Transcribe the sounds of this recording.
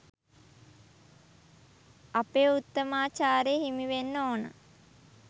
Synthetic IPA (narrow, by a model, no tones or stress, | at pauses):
apeːut̪ːəmaːt͡ʃaːɾejːɦimiʋenːoːnə̰